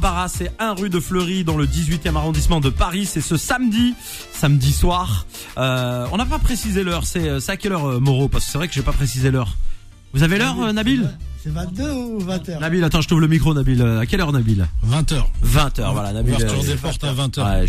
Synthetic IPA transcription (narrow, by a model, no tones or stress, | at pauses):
baʁasɛɛ̃ʁyd̪əfløʁid̪ɑ̃ləd̪izɥit̪jɛmaʁɔ̃d̪ismɑ̃d̪əpaʁisɛsəsamd̪i | samd̪iswaːʁ | ɔ̃napapχesizelœʁsɛøsɛakʲɛlœʁømɔʁopaʁskə̥sɛvʁɛkəʒepapχesizelœʁ | vuzavelœʁnabilɛṽøvɛ̃t̪nabilat̪ɑ̃ʒət̪χuvləmikχonabiløakʲɛlœʁnabilvɛ̃t̪œːʁvɛ̃t̪œ̰ːʁvwa̰la̰nabilʁzepɔʁt̪avɛ̃t̪ɛ̰